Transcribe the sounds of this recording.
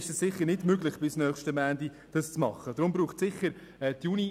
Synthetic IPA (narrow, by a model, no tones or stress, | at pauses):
ɪʃɛssɪχəɾnɪdmøɡlɪχb̥ɪsnœːχʃtəmæːndi | d̥ɑst͡smɑχːədɾʊmbɾuːχt͡sɪχəɾ | ɛtjuni